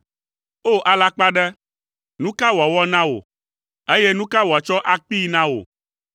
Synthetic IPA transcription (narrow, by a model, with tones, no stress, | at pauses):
o˦ʔa˨la˦k͡pa˦ɖɛ˦ | nũ˦ka˦wɔ˨wɔ˦nã˦wo̰˨ | e˦je˦nũ˦ka˦wa˨t͡ʃɔ˦ʔa˦k͡pi˦nã˦wo̰˨